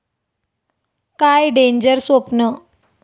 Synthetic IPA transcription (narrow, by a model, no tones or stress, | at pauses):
kajɖeɲd͡ʑəɾsʋopnə